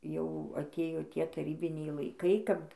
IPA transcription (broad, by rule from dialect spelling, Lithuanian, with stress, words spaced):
jɛʊ ɐˈtʲeːjoː ˈtʲiɛ tɐˈrʲiːbʲɪnʲɛɪ lˠɐɪˈkɐɪ ˈkɐp